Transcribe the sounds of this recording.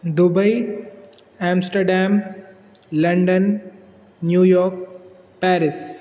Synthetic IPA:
d̪ubɐj | æ̃ːmsʈəɾɖæ̃ːm | lɐ̃ɳɖənː | juːjɔːɾk̚ | pæːɾɪs

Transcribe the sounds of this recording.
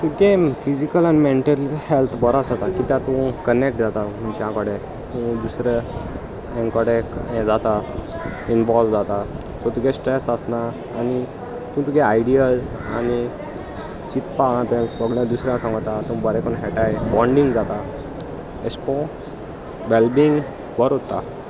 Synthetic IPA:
t̪uk̪ẽfid͡ʑikəlanmeɳʈəlhɛlt̪ʰbəɾasat̪akit̪jãt̪ũkənek̚ʈd͡zat̪am̤uɳt͡ɕãkəɽẽ | t̪ũd̪usɾe | ɛ̃ŋkəɽekɛ̃d͡zat̪a | inʋɔlʋd͡zat̪a | sɔt̪uɡesʈɾɛsəsnaː | ni | t̪ũt̪ukɛajɖijad͡z | ani | t͡ɕit̪paãt̪ɛ̃səɡɭjãd̪usɾjãsãŋɡət̪at̪ũbəɾɛkɔnɦɛʈajbɔ̃ɳɖĩŋɡd͡zat̪a | eskʰɔ̃ | ʋɛlbiːŋɡ | bəɾot̪ːa

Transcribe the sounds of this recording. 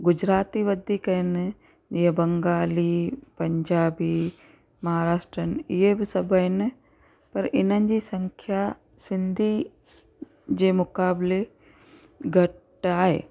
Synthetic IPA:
ɡʊd͡ʑɾaːt̪iʋɐd̪ʱikɐɪnɪ | d͡ʑiːɦẽbɐ̃ŋɡaːliːpɐɲd͡ʑaːbiː | mɐɦaːɾaːʃʈɾənɪɪɦebɪsɐbʱəɦɪnɪ | pɐɾʔɪn̤ənɪ̆d͡ʑiːsɐ̃ŋkʰja | sɪnd̪ʱi | d͡ʑeːmʊkaːble | ɡʱɐʈ | aːɦḛː

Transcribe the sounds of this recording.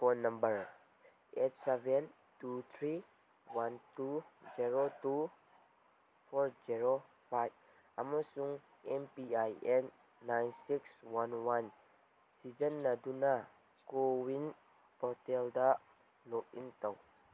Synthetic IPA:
pɔnambəɹ | ʔet̚sɛvɛn | tut̪ʰɾi | wantud͡ʒiɹotu | pʰɔɾziɹo | pʰajb̚ | amasuŋ | ɛnpiajɛnː | ajnsikswanwan | sizənːaduna | kowin | pɔtɛlda | lɔk̚intɔw

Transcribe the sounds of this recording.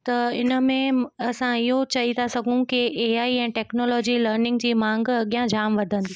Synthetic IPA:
t̪ɐɪnə̆mẽɐsãɪɦot͡ɕɐɦit̪ʰasɐɡʱũkieːaːiɛ̃ːʈɛːknoːlɔːd͡ʑiləːɾnɪ̃ŋɡd͡ʑiːmãːŋɡɐɠijãd͡ʑaːmʋɐd̪ʱə̃nd̪iː

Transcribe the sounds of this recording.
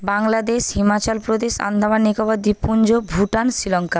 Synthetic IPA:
baŋlad̪eʃhimat͡ɕalpɾod̪eʃa̰nd̪ʱabanːikobad̪ipund͡ʑobʱuʈansilɔŋka

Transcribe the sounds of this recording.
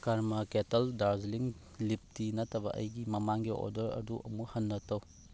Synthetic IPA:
kaɾmɐketɐldaɾd͡ʒliŋ | lip̚tinɐtɐbɐ̰ʔɐjɡimɐmaŋɡiʔo̰dɐɾɐ̰duʔɐ̰muhɐnːɐtɐw

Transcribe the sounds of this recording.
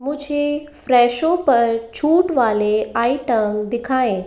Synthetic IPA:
mʊ̃d͡ʒʱefɾɛːʃopɐɾt͡ʃʰuːʈʋaːleaːiʈəmd̪ɪkʰaːẽː

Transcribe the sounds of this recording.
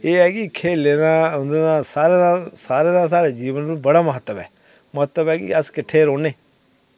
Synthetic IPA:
eːɛːkɪkʰeːleːnãːʊnd̪eːnãːsaːɾeːd̪ãsaːɾeːd̪ãːs̬aːɾeːd͡ʒiːʋənɪbəɽaːməɦət̪ːəbɛ̰ː | məɦət̪ːəbɛːkɪ̰əskɪʈʰːeːɾoːneː

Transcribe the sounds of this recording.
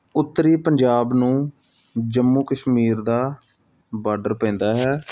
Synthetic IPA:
ʊt̪ːɾiːpəɲd͡ʒaːbnũː | d͡ʒəmːuːkəʃmiːɾd̪aː | baːɾɖəɾpɛ̃ːnd̪aːɦɛː

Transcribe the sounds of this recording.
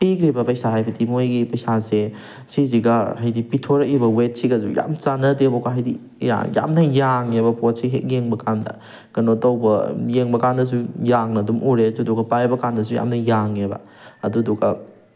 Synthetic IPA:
pekɾibɐpɐjsaɦajbɐdimojɡipɐjsase | siziɡɐhajdipitʰoɾɐk̚ibɐwet̚siɡɐzṵja̰mt͡ʃanɐdiɐbokɐɦajdi | ja̰ja̰mnɐjaŋebɐpot̚siɦḛk̚jeŋbɐkʰandɐ̰ | kɐnotɐwbɐjeŋbɐkandɐs̬ujaŋnɐdumʔuɾeɐdudɔɡɐpajbɐkandɐsuja̰mnɐjaŋebɐ̰ | ɐduduɡɐ

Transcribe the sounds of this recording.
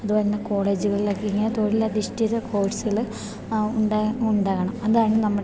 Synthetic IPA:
ɐðubɐɾunːɐko̞ːɭe̞ːd͡ʑuɣɐɭilokːeiŋːɐnet̪o̞ːɻilːɐd̪iʂʈiðɐkʰo̞ːʈsɣɐɭ | uɳɖauɳɖaːɣɐɳɐmɐðaːjɳɨnɐmːu

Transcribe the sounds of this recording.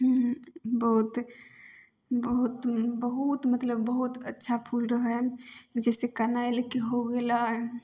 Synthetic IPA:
bəɦut̪ | bəɦut̪bəɦut̪mət̪ləbːəɦut̪ətːʃʰapʰulɾəɦɦɛd͡ʒɛːsekanaelekeɦoɡelaɦɛ

